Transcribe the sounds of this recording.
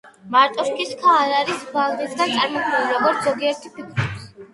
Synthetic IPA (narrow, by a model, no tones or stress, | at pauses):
maɾt̪ʼɔʃkʰiskʰaːɾaɾisbalɾid̪ɡant̪sʼaɾmɔkʰmɛliɾɔɡɔɾt̪ʰzɔɡiɛɾt̪ʰipʰikʰɾus